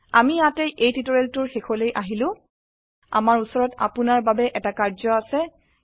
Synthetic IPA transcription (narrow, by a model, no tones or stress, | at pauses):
a̰mijateʔejtitɔɹeltʊɹxekʰɔlejʔaɦilʊ̃ | a̰maɹusɔɹɔta̰pʊnaɹbabɛʔɛtakaɹzɔasɛ